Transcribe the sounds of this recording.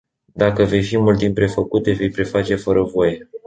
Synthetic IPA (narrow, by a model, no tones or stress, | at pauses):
d̪akəve̞jfimult̪ːimpe̞fəkut̪e̞ve̞jpɾe̞fat͡ʃe̞fəɾʔəvo̞je̞